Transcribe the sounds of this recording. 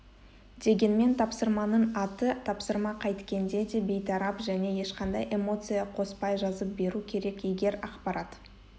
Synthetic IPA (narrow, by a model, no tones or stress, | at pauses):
d̪e̞ɡʲe̞nme̞nt̪ʰɑpsəɾmɑnəɴɑt̪ət̪ʰɑpsəɾmɑqʰɑjt̪kʲe̞nd̪e̞d̪e̞be̞jt̪ʰɑɾɑpʒæne̞je̞ʃqɑnd̪ɑjʔe̞mo̞t̪sɨjɑqʰo̞spɑjʒɑzəp̚be̞ɾukʲʰe̞ɾe̞kijɡʲe̞ɾɑqpɑɾɑt̪